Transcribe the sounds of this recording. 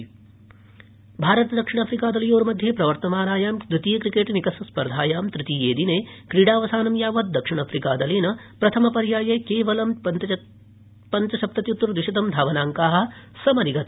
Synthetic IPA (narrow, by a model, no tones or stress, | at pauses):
bʱaːɾɐt̪ɐd̪ɐkʂiɳ̃ɐpʰɾikaːd̪ɐlijoːɾmɐd̪ʱjeːpɾɐʋɐɾt̪ɐmaːnaːjaːmt̪ɾut̪iːɐkɾikeːʈnikɐsɐspɐɾd̪ʱaːjaːmt̪ɾit̪iːeːd̪ineːkɾiːɽaːʋɐsaːnɐmjaːʋɐt̪̚d̪ɐkʂiɳ̃ɐfʰɾikaːd̪ɐliːnɐpɾɐt̪ʰɐmɐpɐɾjaːjɐkeːʋɐlɐm | pɐnt͡ʃɐʃɐp̚t̪ɐt̪jut̪ːɾud̪ʋiʃɐt̪ɐmd̪ʱaːʋɐnaːŋkaːɦɐ̆sɐmɐniɡɐt̪